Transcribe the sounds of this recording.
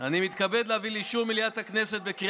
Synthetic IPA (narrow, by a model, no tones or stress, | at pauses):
animit̪kabed̪leaviliʃumiljat̪hakneset̪̚bekʁi